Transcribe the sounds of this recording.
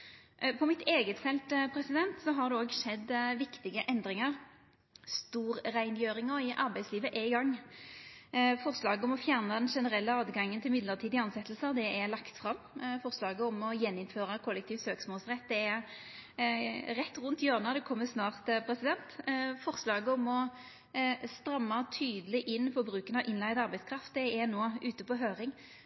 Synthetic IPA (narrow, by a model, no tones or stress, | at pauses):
pʰɔmɪt̪eːɡət̪fɛlt̪pʰɾɛsɪd̪ɛnt̪sɔɦɑʁd̪ɛoːɡʂɛd̪ːʋɪkt̪ɪɡəʔɛnd̪ɾɪŋəʁ | st̪uːʁɾæɪnjøːɾɪŋɔɪʔɑʁbæɪtsliːʋəʔɛɡɑŋː | fɔʁslɑːɡəɔmɔfjæʁnɑd̪ɛnʂɛnəʁɛlːəɑːd̪ɡɑŋːənt̪ʰɪlmɪd̪ləʁt̪ʰiːd̪ɪɑnsɛt̪ːlsəʁd̪ɛɛlɑkt̪fʁɑm | fɔʁslɑːɡəɔmɔjɛnːɪnføːʁəkʰɔlːɛk̚t̪ʰiːft̪søːksmoːlsʁɛt̪ːd̪ɛɛɾ | ʁɛt̪ːʁʊnt̪jøːʁnəd̪ɛkʰɔmːəsnɑːʁt̪pʰɾɛsɪd̪ɛnt̪fɔʁslɑːɡəɔmɔ | st̪ɾɑmːɑt̪ʰyːd̪əlɪʔɪnːfɔbɾʉːkənɑʋʔɪnlæɪd̪ɑʁbæɪskʰɾɑft̪̚d̪ɛɛnoːʉːt̪əpɔɦøːɾɪŋ